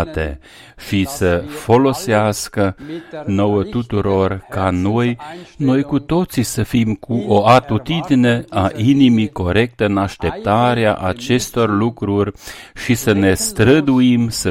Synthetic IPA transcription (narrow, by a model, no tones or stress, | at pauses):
t̪e | ʃisəfo̞lo̞seaskəno̞wət̪ut̪uɾo̞rkano̞jno̞jkut̪o̞t̪sisəfimkʰuʔoat̪ut̪id̪ine̞aʔinimiko̞ɾe̞k̚t̪əɨnaʃt̪e̞p̚t̪aɾea̰ʔat͡ʃe̞st̪o̞rlukɾurʲʃisəne̞st̪ɾəd̪uimsə